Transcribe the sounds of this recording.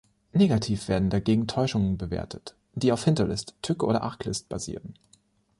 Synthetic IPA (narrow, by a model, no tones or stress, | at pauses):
neːɡatʰiːfv̥eːɐdn̩daɡeːɡŋ̩tʰɔʏʃʊŋənbəvḛːɐtʰət | d̥iːaʊfhɪntɐlɪstʰːʏkəʔoːɾɐ̰ʔaɐkʰlɪ̰st̚b̥a̰zḭːʁən